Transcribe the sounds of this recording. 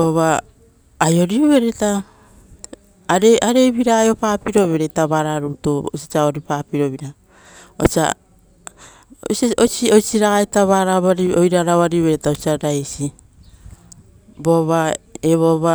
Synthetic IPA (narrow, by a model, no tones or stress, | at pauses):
oβaː | jo̞ɾiuβe̞ɾeta | ɾeʔaɾe̞βiɾaːjopaːpiɾo̞βe̞ɾetaβaɾaɾutoo̰sit͡ʃaoɾipapiɾo̞βiɾa | o̰sia̰ | o̰sosiojsiɾaɡajtaβaɾaβaɾiojɾaɾaβaɾiβeɾetaosiaɾajsi | bo̞βaeβoβa